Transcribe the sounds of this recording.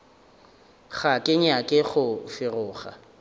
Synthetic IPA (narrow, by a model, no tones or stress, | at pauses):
χakʼɪɲakʼɪχʊfɪrʊːχa̰